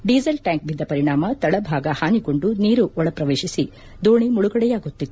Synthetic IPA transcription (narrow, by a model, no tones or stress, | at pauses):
ɖiːd͡ʒɐlʈaːŋk̚bʱid̪ːɐpɐɾiɳaːmɐt̪ɐɭɐbʱaːɡɐhaːnikoɳɖuniːɾuʔɔɭɐpɾɐʋeːʃisi | d̪oːɳimuɭuɡɐɽɛjaːɡut̪ːit̪ːu